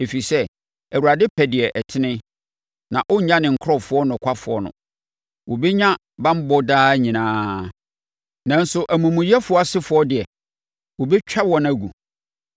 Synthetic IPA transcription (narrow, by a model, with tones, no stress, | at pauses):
e˨fi˨sɛ˦ | æ˨wu˨ɾa˨dɪ˦pʰɛ˨dɪ˨ɛ˨ʔɛ˨tʰɪ˦nɪ̃˦ | nã˨ʔʊ˦ɲ̩˦ɲã˦nɪ̃˨ŋ̩˨kʰɾɔ˦˨fʊ˨˦ɔ˦nʊ̃˨kʷʰa˦fʊ˨ɔ˦nʊ̰̃˨ | wo˨bɛ˦ɲã˦ | bã˦m̩˦bɔ˦daː˦ɲĩ˨nãː˦ | nã˨n̩˦sʊ˨ʔæ˨mũ˨mũ˨jɛ˦fʊ˨ɔ˦a˦˨sɪ˦fʊ˨ɔ˦dɪ˨ɛ˨ | wo˨bɛ˦t͡ɕᶣa˦bwɔ̃˨na˨ɡu˨